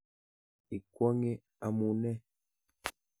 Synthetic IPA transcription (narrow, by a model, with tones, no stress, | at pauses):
i˨kwɔ˦ŋe˦ | a˨mu˨nɛ˦